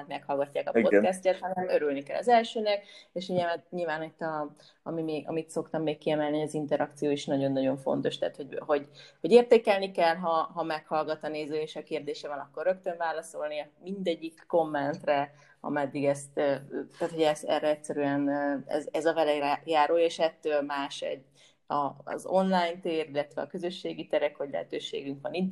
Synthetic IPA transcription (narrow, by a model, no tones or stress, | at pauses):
nt̪mɛkhɒlɡɒcːaːkɒpot̪kɛstːɛt̪hɒnɛmøɾylnikɛlːɒ̰zɛlʃøːnɛk̚eːʃhoɟɛmɛt̪ɲilvaːnit̪ːɒ | ɒmimeːɡɒ̰mit̪so̞kt̪ɒmːeːkkːiɛmɛlniɒzint̪ɛɾɒk̚t̪sijoːiʃnɒɟo̞nːɒɟo̞ɱfo̞̰n̪t̪o̞ʃt̪ɛa̰ːt̪ho̞ɟho̞ɟho̞ɟeːrt̪eːkɛlnikɛlɦɒɦɒmɛkhɒlɡɒt̪ɒneːzøːeːʃɒkeːrd̪eːʃɛvɒnɒkːo̞rːø̞kt̪øɱvaːlɒso̞lnimind̪ɛɟːikːo̞mːɛnt̪rɛ | ɒ̰mɛd̪ːiɡɛst̪øːt̪aːt̪ho̞ɟɛsɛ̰rɛɛcʲsɛɾyɛnɛ̰zɛzɒvɛlɛɾɛjaːɾoleːʃɛt̪ːøːlmaːʃɛ̰ɟː | ɒ̰zo̞nlajnt̪eːɾilːɛt̪ʋɛɒ̰kø̞zø̞ʃːeːɡit̪ɛɾɛkhoɟlɛ̰ɦɛt̪øːʃḛːɡyŋkʋɒnid̪